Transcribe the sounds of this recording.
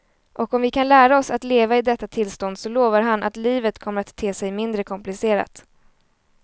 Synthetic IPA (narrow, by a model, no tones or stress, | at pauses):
ʔɔkɔmvɪkʰanlæːɾaɔsat̪leːvaɪd̪ɛt̪ːat̪ʰɪlst̪ɔnd̪sɔloːvaɾɦanʔa̰t̪liːvət̪kʰɔmːəɾat̪ʰːeːsɛjmɪnd̪ɾəkʰɔmplɪseːɾa̰t̪